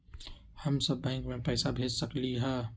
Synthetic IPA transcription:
həmsəbːɛ̃ːŋkmẽpɛːsabʱeːd͡ʒsəkliɦɛː

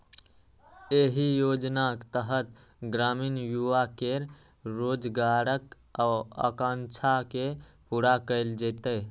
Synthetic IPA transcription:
eɦijod͡ʒnakt̪əɦət̪ | ɡɾaminjuʋakeɾ | ɾod͡ʒɡaɾək | aə̰kãnt͡ʃʰake | puɾakəɪld͡ʒɛt̪ə

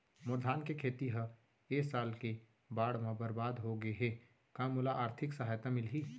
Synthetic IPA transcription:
mʊɾd̪ʱaːnkekʰeːt̪iɦə | eːsaːlke | baːɽmãbəɾbaːd̪ɦoɡəeɦɛː | kãːmʊlaʔaːɾt̪ʰɪksəɦaːjt̪amɪlɦiː

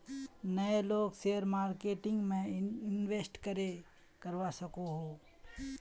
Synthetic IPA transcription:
nəeloːɡseəɾmaːɾkeːʈɪ̃ŋɡmẽɪnʋeːsʈkəɾe | kəɾʋasəkoɦoː

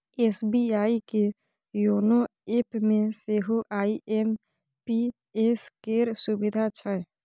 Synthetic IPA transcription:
eːsbiaːike | joːnoeːpmẽseːɦoʔaːiʔem | pi | eskeːɾsʊbɪd̪ʱat͡ʃʰə

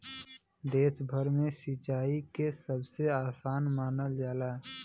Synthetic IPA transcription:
d̪eːsbʱəɾmẽsit͡ʃaːikesəbseaːsaːnmaːnəld͡ʒaːlaː

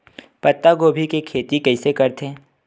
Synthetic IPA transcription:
pɐt̪ːaɡoːbʱikekʰeːt̪ikɛɪsekɐɾt̪ʰeː

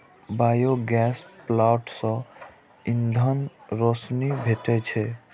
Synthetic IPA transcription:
bajoɡɛsplaʈsɔ̃ | ĩnd̪ʱənɾosnibʱeʈet͡ʃʰɛ

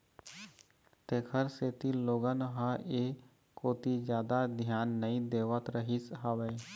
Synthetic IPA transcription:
t̪eːkʰəɾseːt̪iloːɡənɦaeː | koːt̪id͡ʒjaːd̪ad̪ʱjaːnːəĩd̪eːʋət̪ɾəɦisɦəʋeː

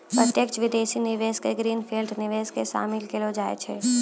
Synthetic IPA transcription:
pɾət̪jekt͡ʃʋɪd̪eːʃinɪʋeːskeɡɾiːnfʰiːlɖnɪʋeːzkeʃa̰ːmɪlkelod͡ʒaːḛt͡ʃʰeː

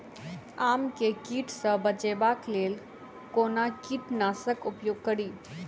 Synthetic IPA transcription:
aːmkekiːʈsə̃bət͡ʃebaːkleːl | koːnakiːʈnaːsəkʊpjoːɡ̚kɐɽiː

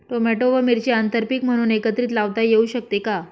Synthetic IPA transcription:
ʈomeʈoʋəmiɾt͡ɕiant̪əɾpikm̤əɽ̃uːnekət̪ɾiːt̪laʋt̪ajeuːɕək̚t̪eka

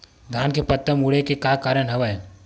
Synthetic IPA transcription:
ɡ̪ʱaːnkepɐt̪ːəmuɽekekakaːɾənɦɐʋəj

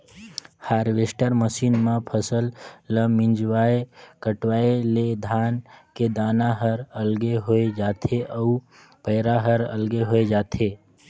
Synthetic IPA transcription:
haːɾʋesʈəɾməsiːnmãpʰəsəlːəmːĩnd͡ʒʋaekəʈʋaeled̪ʱaːnked̪aːnaɦəɾəlɡeɦoed͡ʒaːt̪ʰeʔəu | pəɦɾaɦəɾə̰lɡeɦoed͡ʒaːt̪ʰe

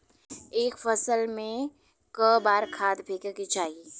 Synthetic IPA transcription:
eːkfɐsəlmẽ | kəbaːɾkʰaːd̪bʱeːkeket͡ʃaːɦie

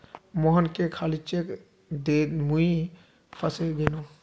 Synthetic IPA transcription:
mɔɦɔnkekʰalit͡ʃek | d̪emui | pʰasebeno

